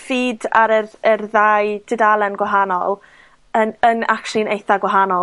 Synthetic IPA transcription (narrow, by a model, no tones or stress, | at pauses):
fiːda̰ɾəərðaːɨdʰɪdalˠənɡwaɦanɔ̰lˠ | ənənakʃlˠinejθaɡwaɦanɔ